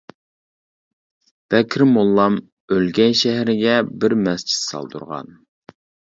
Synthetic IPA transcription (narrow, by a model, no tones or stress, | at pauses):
b̥ɛkʲʰɾɪmolˠːɑm | ølɡʲɛjʃæɦɾɪɡʲɛbɪɾmɛst͡ʃʰi̥t̪sɑ̰lˠd̪ṵɾʁɑ̰n